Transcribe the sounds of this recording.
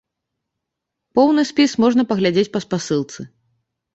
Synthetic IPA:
pɔwnɨsʲpʲismɔʐnɐpɐɣlʲad͡zʲet͡sʲpɐspasɨlˠt̪sɨ

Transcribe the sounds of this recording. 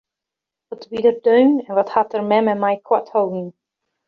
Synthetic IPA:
ʋɔtbidərdøɥmɛnʋɔthatərmɛmɛmajkʰwathowdiŋ

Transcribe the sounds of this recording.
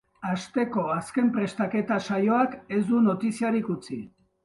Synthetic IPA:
ast̪e̞ko̞aske̞mpɾe̞st̪ake̞t̪asajo̞ake̞zd̪uno̞t̪isiaɾikut͡si

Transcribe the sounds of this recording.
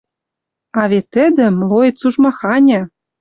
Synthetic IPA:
ɑβet̪ːɘ̆d̪ɘ̆mlˠoet̪suʒmɑxɑnʲɘ̆

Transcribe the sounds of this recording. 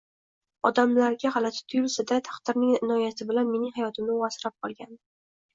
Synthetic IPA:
ɒd̪amlaɾɡʲahalat̪ʰɪ̥t̪ʰʊjʊlsad̪at̪ʰḁχt̪ɪɾnɪŋɪnɒjasɪbɪlanme̞nɪŋhajɒt̪ʰɪmnɪwasɪɾap̚qʰɒlˠɡʲan

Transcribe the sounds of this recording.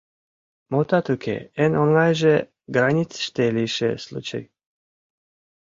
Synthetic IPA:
mot̪at̪ukʰʲḛɛnonlajʒɛ | ɡɾanʲit̪sʃt̪ɛlʲiʃɛ̰slˠṵt͡ʃa̰j

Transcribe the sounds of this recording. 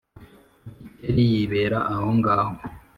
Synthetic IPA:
eɾijiβeːɾaʔahoŋɡaːho

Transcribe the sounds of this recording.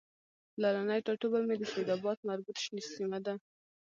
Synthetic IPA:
laɾanajʈaʈubamed̪əsed̪ɑbɑt̪maɾbut̪ʃnisimad̪a

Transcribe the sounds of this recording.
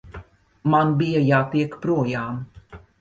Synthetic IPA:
manbijajaːt̪iɛkpɾuɔjaːm

